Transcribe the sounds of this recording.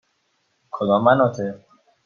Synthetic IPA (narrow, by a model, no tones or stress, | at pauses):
kʰod̪ɔːmːænɔt̪ʰe